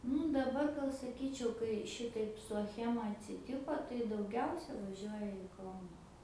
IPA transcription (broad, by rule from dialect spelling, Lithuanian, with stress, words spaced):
ˈnʊ dɐˈbɐr ɡɐlˠ sɐˈkʲiːt͡ʃʲɛʊ kɐɪ ˈʃʲɪtɐɪp sʊ ɐˈxʲæːmɐ ɐtʲsʲɪˈtʲɪkoː tɐɪ dɐʊˈɡʲɛʊsʲɛ ʋɐˈʒʲuɔjɛ ɪ ˈkɐʊnɐ